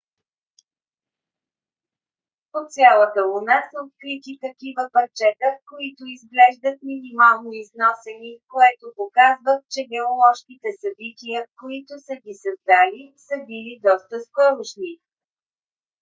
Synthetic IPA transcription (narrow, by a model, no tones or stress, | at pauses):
pot̪sʲjalˠət̪əlonasəot̪̚kɾit̪it̪ɐkivəpɐɾt͡ʃɛt̪əkoit̪oizɡlɛʒd̪ət̪minimalˠnoiznɔsɛnikoɛt̪opokazvəxt͡ʃɛɡɛolˠɔʃk̟it̪ɛsɐbit̪ʲijəkoit̪ʊsəɡʲisɐzd̪alisəbilid̪ɔst̪əskɔɾʊʃni